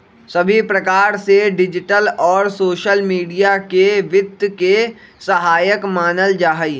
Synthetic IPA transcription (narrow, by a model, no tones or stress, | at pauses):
sɐbʱipɾɐkaːɾseɖɪd͡ʒɪʈəlɔːɾsoːʃəlmiːɖijakeʋɪt̪ke | sɐɦaːjəkmaːnəld͡ʒaːɦəiː